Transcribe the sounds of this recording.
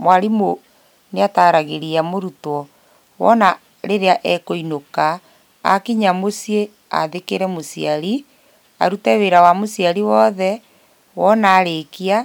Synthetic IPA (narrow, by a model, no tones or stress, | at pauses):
mwaɾimo | neataːɾaɣeɾiamoɾutwɔ | wɔ̰na | ɾeɾeaʔɛkoinoka | a̰kiɲamosie | a̰ðekeɾɛmosiaɾi | a̰ɾutɛweɾawamosiaɾiwɔðɛ | wɔnaːɾekia